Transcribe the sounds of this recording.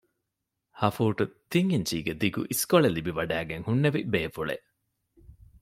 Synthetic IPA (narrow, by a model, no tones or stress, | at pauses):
hɐfuːʈut̪iŋiɲt͡ʃiːɡed̪iɡṵʔiskoɭelibiʋɐɖæːɡeŋhunːeʋibeːfuɭḛʔ